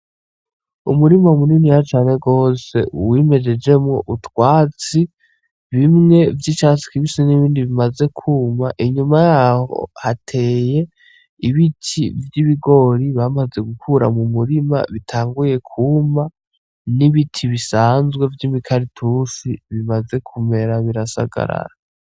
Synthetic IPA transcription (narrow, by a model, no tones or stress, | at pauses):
umuɾimaumuninijat͡ʃaːne̞ɡo̞ːse̞̰wime̞d͡ʒe̞d͡ʒe̞mŋo̞ʔutwaːt͡si | βimŋe̞vjit͡ʃaːsi̥kiβisiniβiːndiβimaze̞kʰuːmaʔiɲumajaːho̰hatʰe̞ːje̞ | iβitʰivjiβiɡo̞ɾiβamaze̞ɡukʰuɾa̰mumuɾima̰βitʰaːŋɡuje̞kʰuma | niβitʰiβisaːnzɡwe̞vjimikʰaɾitʰusiβimaze̞kʰume̞ɾaβiɾasa̰ɡa̰ɾa̰ɾa